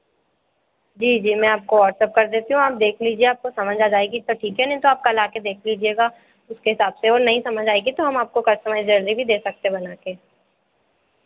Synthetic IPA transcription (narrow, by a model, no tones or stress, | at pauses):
d͡ʒiːd͡ʒiːmɛ̃ːaːp̚koʋɔːʈsɛːp̚kɐɾd̪eːt̪iɦũaːp̚d̪eːkʰliːd͡ʒieaːp̚kosɐməd͡ʒʱaːd͡ʒaːeɡit̪oʈʰiːkɦɛnɐɦĩt̪oaːp̚kalaːked̪eːkʰliːd͡ʒieːɡa | ʊskeɦɪsaːbseɔːɾnɐɦĩsɐməd͡ʒʱaːeɡit̪oɦɐmaːp̚kokɐɾsɐməjd͡ʒɐɾd̪ibʱid̪eːsɐk̚t̪eɦebɐnaːkeː